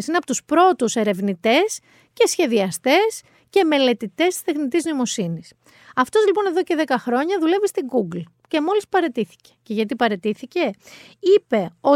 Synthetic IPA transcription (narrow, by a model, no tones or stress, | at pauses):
sineɐpot̪uspɾo̞t̪use̞ɾe̞vnit̪e̞s | ce̞sçe̞ðiɐst̪e̞s | ce̞me̞le̞t̪it̪e̞st̪i̥st̪exnit̪iznoimo̞sinis | ɐft̪o̞zlipo̞ne̞ðo̞ce̞ðe̞kɐxɾo̞ɲɐðule̞vist̪iɡuɡl | ce̞mo̞lispɐɾe̞t̪iθi̥ce̥ce̞ʝɐt̪̬ipɐɾe̞t̪iθice̞ipe̞o̞